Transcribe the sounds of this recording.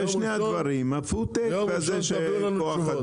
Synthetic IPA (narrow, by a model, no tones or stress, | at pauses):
eʃnejad̪vaɾimafut̪ekkazeʃekoaχa